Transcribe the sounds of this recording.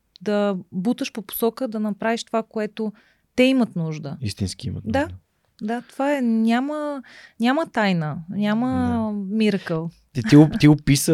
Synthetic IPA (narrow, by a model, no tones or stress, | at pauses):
d̪ɐbut̪əʃpopo̥sɔkəd̪ɐnɐpɾaviʃt̪ovakoɛt̪o | t̪ɛimət̪nuʒd̪əist̪inskiḭmə̰t̪d̪d̪a | d̪at̪ovaɛnʲamənʲamət̪ajnənʲaməmiɾkəlˠɛt̪iɡʊt̪iʊpisə